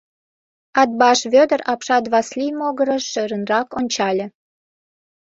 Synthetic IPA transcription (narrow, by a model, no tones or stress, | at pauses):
ɑd̪̚bɑʃβʲød̪əɾɑpʃɑd̪βɑslʲimoɣəɾəʃøɾənrɑkonʲt͡ɕɑlʲĕ